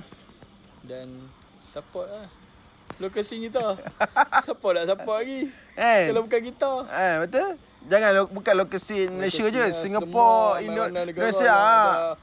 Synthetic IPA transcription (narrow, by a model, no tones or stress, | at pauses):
dan | sapɔt̪̚la | lokasiŋit̪a | sapɔt̚aʔsaɔʔlaɡi | ealabukanɡit̪aabat̪ə | d͡ʒaŋanobukanlokasinlaʃəd͡ʒəsiŋapɔinɔɾasiaa